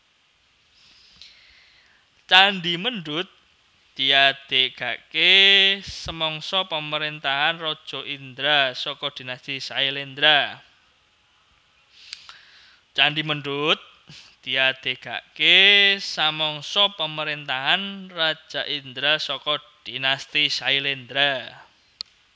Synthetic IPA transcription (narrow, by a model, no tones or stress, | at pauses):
t͡ʃanɖiməɳɖʊt̪̚ | d̪̥i̤ad̪̥e̤ʔɡ̥a̤ʔkesəmɔŋsɔpəməɾent̪aɦanrɔd̥ʒ̥ɔ̤ʔind̪ɾasɔkɔd̪̥i̤nast̪isaelend̪ɾa | t͡ʃanɖiməɳɖʊt̪̚ | d̪̥i̤ad̪̥e̤ʔɡ̥a̤̰ʔkesamɔŋsɔpəməɾent̪aɦanrḁd͡ʒʒ̥a̤ʔind̪ɾasɔkɔd̪̥inast̪isailend̪ɾa